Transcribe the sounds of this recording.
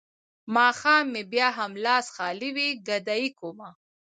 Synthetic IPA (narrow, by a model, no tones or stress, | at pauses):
mɑːxɑːmːebjɑːɦamlɑːsxɑliwiɡad̪ajikoma